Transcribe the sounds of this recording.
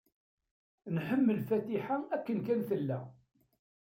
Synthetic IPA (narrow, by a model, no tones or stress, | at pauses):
nħəmːəlfæt̪iħaækːənkænθəlːæ